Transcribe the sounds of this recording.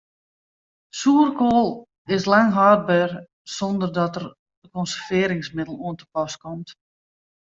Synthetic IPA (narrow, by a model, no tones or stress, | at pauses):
suərkoːlˠ | ɪslaŋɦaːd̚bɛːr | sɔndərdɔtər | dəkɔnsərvɪːɾɪŋsmɪdəl̩ˠoəntə̥pɔskɔmt